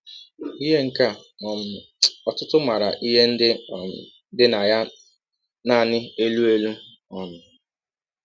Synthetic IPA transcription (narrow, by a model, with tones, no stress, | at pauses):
i˦ɦe˦ŋ̩˨ka˦ɔ˨m̩˨ | ɔ˨tʊ˦tʊ˦ma˨ɾa˨ʔi˦ɦe˦n̩˦dɪ˦˨˦ | dɪ˦na˨ja˦ | na˨nɪ˦e˦lu˦e˦lu˦ | ɔ˨nʊ˨